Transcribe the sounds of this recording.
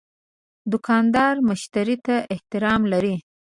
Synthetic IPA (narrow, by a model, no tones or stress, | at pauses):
d̪ʊkʰɑnd̪ɑɾmʊʃt̪aɾit̪aʔɪht̪ɪɾɑmlaɾi